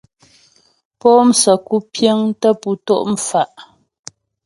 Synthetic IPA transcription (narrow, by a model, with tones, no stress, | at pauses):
pɔ˦m̩˨˦sə˨ku˦pje˦ŋtə˦pu˨to˦˨ʔm̩˨fa˨ʔ